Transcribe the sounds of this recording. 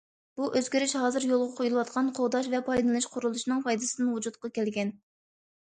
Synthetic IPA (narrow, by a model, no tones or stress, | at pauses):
b̥uʔøzɡʲiɾɪʃɦɑːzɨɾjolˠʁɑqʰojulˠɨwɑt̪̚qʰɑnqʰoʁd̪ɑʃvɛpʰɑjd̪ɨnɨʃqʰʊɾulˠuʃinɨŋpɑjd̪ɨsɨd̪ɨnwud͡ʒut̪qɑkʲʰɛlɡʲɛn